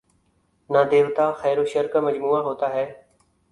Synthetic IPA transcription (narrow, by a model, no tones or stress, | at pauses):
naːd̪eːʋt̪aːxɛːɾoːʃəɾkaːməd͡ʒmuːaːɦoːt̪aːɦɛː